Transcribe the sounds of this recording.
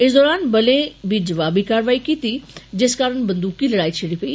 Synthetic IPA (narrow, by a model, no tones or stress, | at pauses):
ɪsd̪ɔːɾaːnbɐlẽbʱid͡ʒɐʋaːbʱikaːɾʋaːikiːt̪id͡ʒɪskaːɾəɳ̃bɐ̃nd̪uːkːilɐɽaːit͡ʃʰɪɽipɐiː